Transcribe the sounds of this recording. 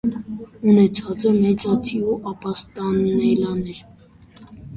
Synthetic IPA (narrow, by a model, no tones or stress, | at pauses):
unɛt͡sʰɑt͡səmɛt͡sɑt͡sʰiuʔɑpɑst̪ɑnɛlɑnɛɾ